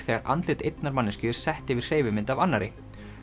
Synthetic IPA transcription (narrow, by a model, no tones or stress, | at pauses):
θɛːɣaɾʔa̰nt̪lɪt̪ejt̪naɾmanːɪscʏːðʏɾ̥sɛht̪ɪvɪ̥r̥eːjvɪmɪnt̪avanːaɾɪ